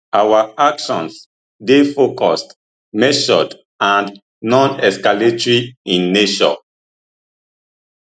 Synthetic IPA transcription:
awaakʃɔ̃ns | defokɔst | mɛʃɔ̰d | ãn | nɔ̃nɛskaletɹiĩnːeʃɔ̰̃

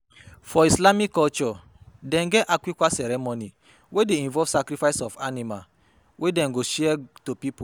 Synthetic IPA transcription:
fɔislamikːɔlt͡ʃɔ | dɛ̃nɡɛʔakwikʷasɛɾɛmoni | wedeĩɱvɔv̥sakɾifaɪsɔfanima | wedɛ̃nɡoʃɛtopipu

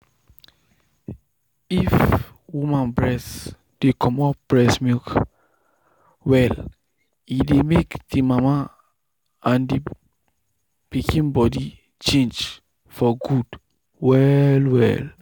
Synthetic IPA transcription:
if | wumãnbɹɛs | d̥ekʰɔ̃mɔpb̥ɹɛsmik | wɛl | idemekd̥imama | ãndi | pikʰĩnbɔdi | t͡ʃẽnd͡ʒ | fɔɡud | wɛlwɛ̰l

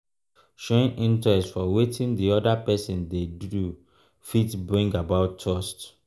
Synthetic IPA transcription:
ʃoĩnĩntɹɛstfɔwetʰĩndiɔdapɛsɔ̃ndedu | fitbɹĩŋɡabaʊtʰːɔst

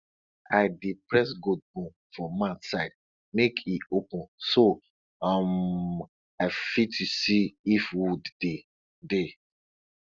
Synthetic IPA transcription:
aɪdipɹɛsɡod̚bũm | fɔmãnsaɪd̚ | mekʰiopũnso | am | aɪfitusiifwudde | de

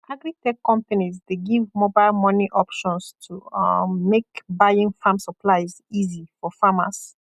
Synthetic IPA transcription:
ʔaɡɾitɛkkːɔ̃mpanizdeɡivmobaɪlmɔniʔɔpʃɔ̃nstʰumekbajĩŋfãmsəpʰlaɪz | izifɔfama̰s

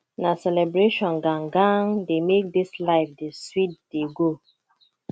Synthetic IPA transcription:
nasɛlɛbɹeʃɔ̃nɡãŋɡãŋdemek̚dislaɪfdeswit̚d̥eɡo

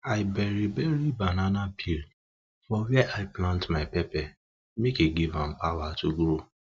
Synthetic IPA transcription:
aɪbɛɾibɛɾibananãpʰiɾ | fɔwɛʔaɪplãntmaɪpɛpɛ | mekiɡivãmpawatuɡɾo

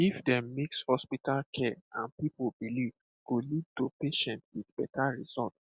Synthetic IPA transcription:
ifdɛ̃mːekshɔspitalkʰɛã̰npipobiliv | ɡ̥olid̚topeʃɛ̃nt̚witb̥ɛtʰaɹizɔlt

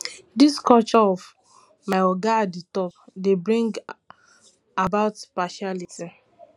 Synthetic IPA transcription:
diskɔlt͡ʃɔɔv | maɪɔɡaditɔpdebɾĩŋɡ | abaʊtpaʃaliti

